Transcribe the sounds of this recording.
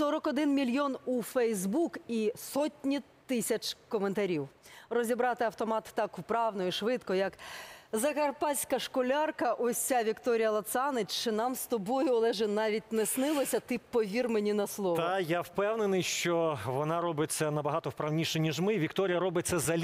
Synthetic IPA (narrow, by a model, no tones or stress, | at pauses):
sɔɾɔkɔd̪ɪnmʲilʲjɔnufɛjzbukisɔtʲnʲit̪ɪsʲɐt͡ʃkɔment̪ɐɾʲiwrɔzʲibɾɑt̪ɪɐwt̪ɔmɑt̪ːɑkʊpɾɑwnɔiʃʋɪt̪kɔjɐkzɐkɐrpɑsʲkɐʃkɔlʲɑrkɐʔɔsʲaʋʲikt̪ɔɾʲijɐlˠɐt̪sɑnɪt͡ʃt͡ʃɪnɑmst̪ɔbɔjʊlˠɛʒɛnɑʋʲit̚ʲnɛsnɪlˠɔsʲɐt̪ɪpɔʋʲirmenʲinɐslˠɔʋajawpɛwnenɪjʃt͡ʃɔʋɔnɑɾɔbɪt͡sʲːɐnɐbɐɦɑt̪ɔwpɾɐwnʲiʃɛnʲiʒmɪʋʲikt̪ɔɾʲijɐɾɔbɪt̪̚ʲt͡s̪ʲːɐzɐlʲ